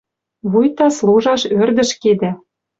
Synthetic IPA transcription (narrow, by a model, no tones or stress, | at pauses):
βujt̪ɑsluʒɑʃørd̪ə̆ʃked̪æ